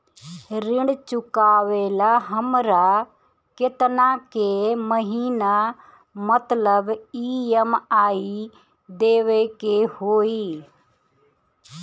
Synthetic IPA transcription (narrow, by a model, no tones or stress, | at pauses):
ɾɪ̃ɳɽt͡ʃʊkaːʋeːlaɦəmɾa | kɪt̪nãkeməɦiːna | mət̪ləbiːəmaːi | d̪eːʋekehoːiː